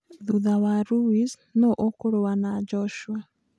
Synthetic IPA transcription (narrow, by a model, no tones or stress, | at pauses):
ðuðawaɾuiz | noʔokoɾowanad͡ʒoʃua